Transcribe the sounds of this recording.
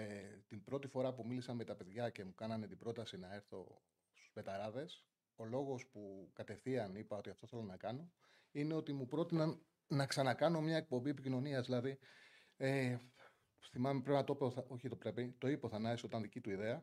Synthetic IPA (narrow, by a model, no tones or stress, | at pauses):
et̪imbɾo̞t̪ifo̞ɾɐpumilisɐnmet̪ɐpe̞ðʝɐce̞mukɐnɐnet̪ibɾo̞t̪ɐsinɐe̞ɾθo̞̰ | st̪u̥zpe̞t̪ɐɾɐðe̞s | o̞lo̞ɣo̞spukɐt̪e̞θiɐnipɐo̞t̪iɐft̪o̞θe̞lo̞nɐkɐno̞ | ine̞o̞t̪imupɾo̞t̪inɐnː | ɐksɐnɐkɐno̞mɲɐe̞k̚po̞mbiepicino̞niɐzðilɐði | e | θimɐmepɾe̞pnɐt̪opoθɐo̞çit̪o̞pɾe̞pit̪o̞ipoθɐnɐeso̞t̪ɐnðicit̪uiðe̞ɐ